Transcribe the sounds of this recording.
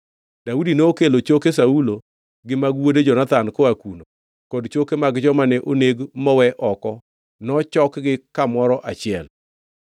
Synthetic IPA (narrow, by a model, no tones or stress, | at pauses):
daudineokelot͡ʃokesaulo | ɡɪmaɡwoded͡ʒɔnat̪ankoakuno | kɔdt͡ʃokemaɡd͡ʒɔmanɛʔoneɡmɔwɛʔɔkɔ | nɔt͡ʃɔkɡɪkamɔɾɔʔat͡ʃɪɛl